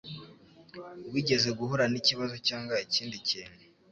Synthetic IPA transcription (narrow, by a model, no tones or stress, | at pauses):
wiɟe̞ze̞ɡuɦoɾaniciβazo̞caːŋɡaiciːndiciːne